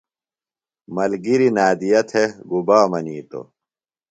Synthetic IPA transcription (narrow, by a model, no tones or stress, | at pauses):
mɐlɡiɾinaːd̪ijɐt̪ʰeɡubaːmɐniːt̪o̰